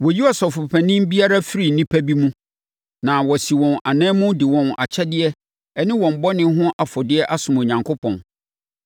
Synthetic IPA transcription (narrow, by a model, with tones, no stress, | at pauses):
wɔ˨ji˦ɔ˨sɔ˨fʊ˨pʰæ˨nɪ̃˦mbi˦a˦ɾa˦fɪ˦ɾi˨nĩ˦pʰæ˦bi˦mũ˦ | nã˨wɔ˨si˨wɔ̃˨na˨nɛ̃ː˦mʊ̃˦dɪ˨wɔ̃˨na̰˨t͡ɕʰɛ˦dɪ˦ɛ˦ | ɛ˦nɪ̃˦wɔ̃˨m̩˨bɔ˦nɪ̃˦ɦʊ̃˦ʔa˨fɔ˨dɪ˦ɛ˦ʔa˦sʊ̃˨mo˨ɲã˨ŋkʰo˦pʰɔ̃˨n